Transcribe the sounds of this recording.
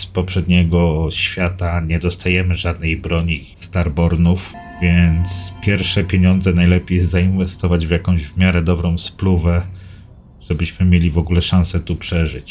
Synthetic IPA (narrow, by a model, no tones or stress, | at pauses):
spɔpʂɛd̪ɲɛɡɔɕfʲjat̪aɲɛd̪ɔst̪ajɛmɘʐad̪nɛjbɾɔɲi | st̪aɾbɔɾnuf | vʲjɛnt̪spʲjɛɾfʂɛpʲjeɲɔnd̪zɛnajlɛpʲejɛst̪zainvɛst̪ɔvad͡ʑvʲjakɔ̃w̃ʑvmʲjaɾɛd̪ɔbɾɔ̃w̃spluvɛ | ʐ̥ɛbɘɕmɘmʲjelʲivɔɡulɛʂãñsɛt̪upʂɛʐɘt͡ɕ